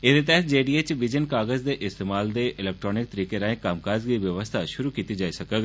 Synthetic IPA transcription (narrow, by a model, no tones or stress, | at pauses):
ɪd̪et̪̬ɛɦt̪̚ʰd͡ʒeːɖiːet͡ʃʋɪd͡ʒənkaːɡəzd̪eːʔɪst̪eːmaːld̪eːʔɪlɛːk̚ʈɾɔːnɪk̚t̪əɾiːkeɾaːẽkaːmkaːzɡiʋjəʋəst̪ʰaʃʊɾukiːt̪id͡ʒaːisəkəɡ